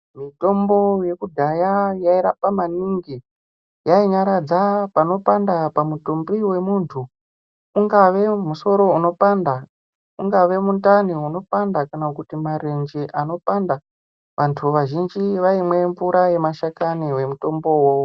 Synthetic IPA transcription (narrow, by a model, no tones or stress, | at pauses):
mito̞mbo̞je̞kudʱajajaiɾapamaniŋɡi | jaiɲaɾad͡zapano̞pandapamutumbiwe̞muntʰuː | ŋɡaʋe̞muso̞ɾo̞uno̞panda | uŋɡaʋe̞muntaniuno̞pandakanakutimaɾend͡ʒiʔano̞panda | ʋʔantʰuʋaʒind͡ʒiʋaimwe̞ɱvuɾaje̞maʃakaniwe̞muto̞mbo̞wo